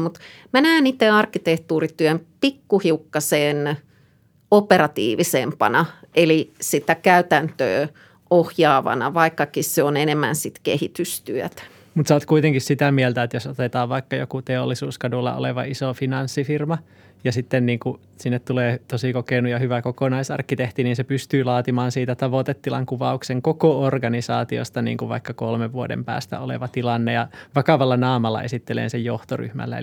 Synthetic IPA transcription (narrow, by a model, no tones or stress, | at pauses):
mut̪ | mænæːnit̪ːeɑrkːit̪eht̪uːrit̪yømpikːuhiukːɑseːn | operɑt̪ḭːʋisempɑ̰nɑʔelisit̪ækæyt̪ænt̪ø̰ː | ohjɑːʋɑ̰nɑ̰ʋɑikːɑkisseonenemːæ̰nsit̪kḛhit̪yst̪yøt̪æ̥ | mut̪sɑːt̪kuit̪eŋkissit̪æmielt̪æet̪josot̪et̪ɑːʋʋɑikːɑjo̰kut̪eolːisuːskɑdulːɑ̰o̰leʋɑ̰isofinɑnsːifirmɑ | jɑsit̪ːenniːŋku | sinːet̪t̪uleːt̪osikokeinujɑhyʋækokonɑisɑ̰rkːit̪eht̪iniːnsepyst̪yːlɑːt̪imɑːnsiːt̪æt̪ɑʋot̪et̪ːilɑŋkuʋɑukseŋkokoorɡɑnisɑːt̪io̰st̪ɑnḭːŋkuʋʋɑ̰ikːɑkolmeʋʋuodḛmpæ̰ːst̪æ̰olḛʋɑt̪ilɑnːejɑʋɑkɑʋɑlːɑnɑːmɑlːɑ̰ʔḛsit̪ːelḛːnsejjoht̪ory̰hmæ̰lːæ̰ḛ